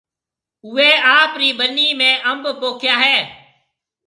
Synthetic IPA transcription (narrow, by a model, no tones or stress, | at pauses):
ʊːeːaːpɾiːɓənːiːmẽːʔəmbpoːkʰjaːɦeː